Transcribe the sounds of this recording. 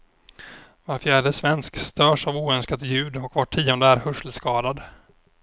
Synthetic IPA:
vaɾfjæːɖəsvɛnskst̪œːʂavuːœnskat̪jʉ̟ːd̪ɔkvaʈʰːiːɔnd̪əæɾhɵʂəlskɑːd̪ad̪

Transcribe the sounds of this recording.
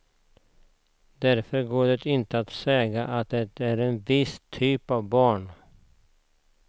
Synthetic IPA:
d̪æɾfœɾɡoːɖɛt̪ɪnt̪əat̪sɛːɡaʔat̪̚d̪ɛt̪æɾɛnvɪst̪ʰːyːpavbɑːɳ

